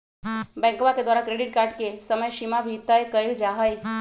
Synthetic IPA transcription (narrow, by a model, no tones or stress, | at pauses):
bɛ̃ŋkoʋaked̪ʋaɾakɾeɽiʈ̚kaɾʈkesəməjʃimabʱit̪əjkəjld͡ʒaɦəj